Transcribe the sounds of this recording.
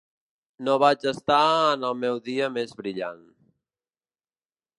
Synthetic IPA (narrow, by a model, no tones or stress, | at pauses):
noβad͡ʒəst̪aənəlˠmɛwðiəmezβɾiʎa̰n